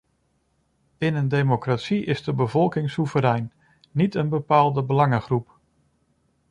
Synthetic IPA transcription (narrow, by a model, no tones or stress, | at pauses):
ɪnəndejmokratsiʔɪzdəbəvɔlˠkɪŋsuvəɾɛjnː | itənbəpaːlˠdəbəlɑŋəχrup